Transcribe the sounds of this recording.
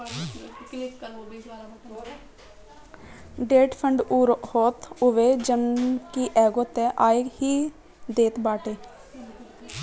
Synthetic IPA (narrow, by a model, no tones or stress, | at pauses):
ɖeːʈpʰəɳɖuːɾhoːt̪ʊʋeːd͡ʒənkiːʔɛːɡoːt̪ɛːʔaːehiː | d̪eːt̪baːʈeː